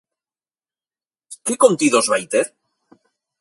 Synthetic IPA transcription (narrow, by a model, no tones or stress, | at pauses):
kekont̪iðozβajt̪eɾ